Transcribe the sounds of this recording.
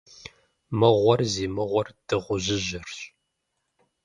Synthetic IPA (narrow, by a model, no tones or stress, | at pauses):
mɨʁʷɔrziːmɨʁʷɔrd̥ɨʁʷʊʑɪʑɪrɕʼ